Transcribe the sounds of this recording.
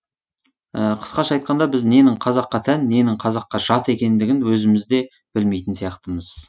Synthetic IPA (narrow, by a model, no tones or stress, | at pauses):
əqʰə̥sqɑʃɑjt̪̚qɑnd̪ɑbɪzne̞nɪɴqʰɑzɑqːɑt̪ʰænːe̞nɪɴqʰɑzɑqːɑʒ̥ɑt̪e̞kʲe̞nd̪ɪɡʲɪnwɵzɪmɪzd̪e̞ | b̥ɪlmejt̪ɪnsijɑqt̪əməz̥